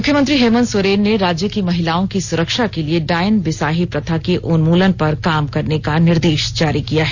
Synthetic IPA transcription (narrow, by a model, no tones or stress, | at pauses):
mʊkʰjəmə̃nt̪ɾiɦeːmə̃nsoɾeːnːeɾaːd͡ʒjəkimɐɦɪlaːõkisʊɾəkʃakelieɖaːɪnbɪsaːɦipɾɐt̪ʰakeʔʊnmuːlənpɐɾkaːmkɐɾnekanɪɾd̪eːʃd͡ʒaːɾikijaɦɛː